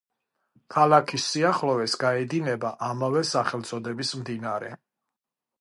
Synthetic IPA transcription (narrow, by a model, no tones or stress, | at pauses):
kʰalakʰisːiaχlɔvɛsɡaɛd̪inɛbaʔamavɛsaχɛlˠt̪sʰʼɔd̪ɛbismd̪inaɾɛ̰